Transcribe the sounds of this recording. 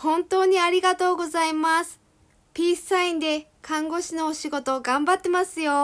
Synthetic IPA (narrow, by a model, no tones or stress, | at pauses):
hõ̞nt̪o̞ːɲ̟iaɾʲiɡat̪o̞ːɡo̞zaimasɨ̥ | pʲiːsɨ̥saĩnd̪e̞kãŋɡo̞ɕino̞ːɕiɡo̞t̪o̞ɡãmbat̪ːe̞masɨjo̞